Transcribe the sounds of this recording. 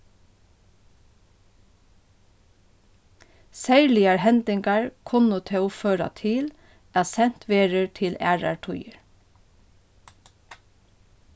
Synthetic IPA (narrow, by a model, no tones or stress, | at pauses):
sæːɹlɪɑɹhɛnd̪ɪŋɡɑɹkʰʊnʊt̪ʰeːʊføːɾɑ̰t̪ʰɪl | æːsɛn̥t̪ʋeːɹəɹʈʰɪlæ̰ːɹɑ̰ɹʈʰʊjəɹ